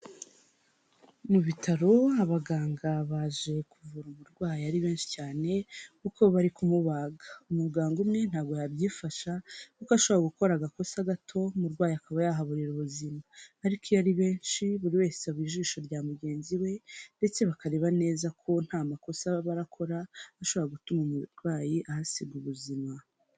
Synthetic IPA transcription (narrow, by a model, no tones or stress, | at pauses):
muβitʰaɾo̞aβaɡaːŋɡaβaʒe̞kuvuɾumuɾɡwaːjaɾiβe̞ːnʃi̥caːne̞kuko̞βaɾikumuβaːɡaumuɡaːŋɡomŋe̞n̥haːbɡo̞jabjiːfaʃakukaʃoβaɡuko̞ɾaɡako̞saɡatʰo̞muɾɡwaːjakaβajaɦaβuɾiɾuβuzimaːɾikʰojaɾiβe̞ːnʃiβuɾiwe̞ːseaβwiːʒiːʃo̞ɾɟaːmuɟe̞ːnziwe̞nde̞t͡se̞βakaɾe̞βane̞ːzakʰo̞n̥haːmako̞saβaɾakʰo̞ɾaaʃo̞βoɾaɡutumumuɾɡwaːjiʔahasiɡuβuzima